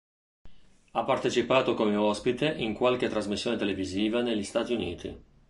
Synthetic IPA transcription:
apːart̪et͡ʃipaːt̪okomeɔspit̪eʔiŋkwalket̪ːɾazmisːjoːnet̪eleviziːvaneʎːist̪aːt̪iunḭːt̪ḭ

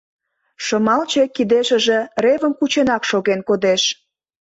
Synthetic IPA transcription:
ʃəmɑlt͡ɕekid̪eʃə̆ʒerevəmkut͡ɕenɑkʃoɣenkod̪eʃ

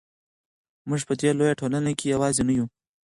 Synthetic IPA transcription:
mʊʐpəd̪elojaʈʰolanakʰejawɑzenaju

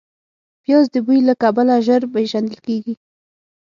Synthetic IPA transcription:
pjɑzd̪əbujlakabalaʒəɾpeʒand̪əlkeɡi

